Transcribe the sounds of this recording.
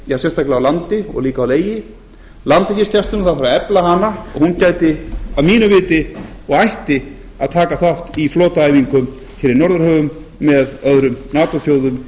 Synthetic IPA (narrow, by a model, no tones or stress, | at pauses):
jasɛst̪ʰajklɪawlant̪ɪɔ̰ɣliːkaawleːjɪ | lant̪ɪcɪscast̪ʏnaθaðfaɾaɛplahanaɔɣhuncaːjt̪ɪavmiːnʏvɪːt̪ɪɔɣajht̪ɪ | aðt̪ʰaːkaθaht̪ifloːt̪aːjviŋkʏm | çɛːɾɪnɔɾðʏɾ̥hœːvʏmː | ɛðœðɾʏmnaːt̪ɔθjoːwðʏm